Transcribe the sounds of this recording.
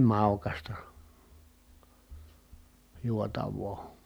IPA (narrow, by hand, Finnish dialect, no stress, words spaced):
mɑˑukɑstɑ juotɑʋˑoː